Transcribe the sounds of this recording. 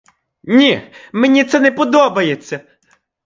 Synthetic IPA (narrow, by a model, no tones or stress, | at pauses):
nʲimenʲit̪sɛnɛpɔd̪ɔbɐjet͡sʲːɐ